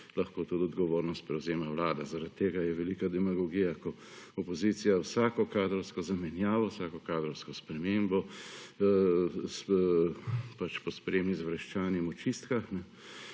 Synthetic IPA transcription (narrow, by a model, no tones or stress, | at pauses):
laxkoːt̪ut̪ɔd̪ɡɔʋoːɾnɔst̪pɾɛwzeːmawlaːd̪azaɾat̪ːeːɡajɛʋɛlikad̪ɛmaɡɔɡiːjakɔ | ɔpɔzit̪sijawsaːkɔkaːd̪ɾɔwskɔzamɛnjaːʋɔwsaːkɔkaːd̪ɾɔwskɔspɾɛmeːmbɔ | s | pat͡ʃpɔspɾeːmnizʋɾɐʃt͡ʃaːnimɔt͡ʃist̪kaxnɛ